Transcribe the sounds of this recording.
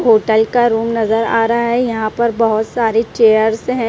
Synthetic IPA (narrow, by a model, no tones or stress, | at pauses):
ɦoːʈəlkaɾuːmnɐzəɾa̰ːɾaaɦɛjɐɦãpɐɾbɐɦʊt̪saːɾet͡ʃeːjəɾsɦɛ̃